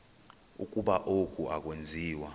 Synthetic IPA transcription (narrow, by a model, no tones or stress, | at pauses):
ṵk̬ʼuɓaʔok̬ʼuak̬ʼwend͡zʱiːwa